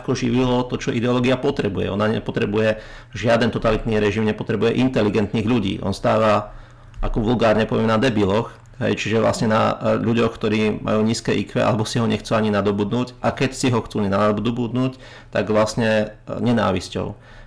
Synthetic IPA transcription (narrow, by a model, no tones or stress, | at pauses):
akɔʒiʋilɔt̪ɔt͡ʃɔʔid̪ɛɔlɔːɡiapɔt̪ɾɛbujɛ̰ɔnaɲɛ̰pɔt̪ɾɛbujɛ | ʒɪad̪ɛnt̪ɔt̪alit̪niːɾɛʒimɲɛpɔt̪ɾɛbujɛʔint̪ɛliɡɛnt̪niːɣʎuɟḭːʔɔ̰nst̪aːʋa | a̰kɔʋulɡaːɾɲɛpɔʋɪɛmnad̪ɛbilɔx | ɦɛ̰jt͡ʃiʒɛʋla̰sɲɛna̰ʎuɟɔxkt̪ɔɾiːmʔa̰juːɲiːskɛʔikʋɛʔa̰lɛbɔsiɦɔɲɛxt͡suaɲinad̪ɔbud̪nuːcʔakɛcsiɦɔxt͡suːɲɛnad̪ɔbud̪nuːc | t̪aɡʋlasɲɛɲɛna̰ːʋiscɔ̰ʊ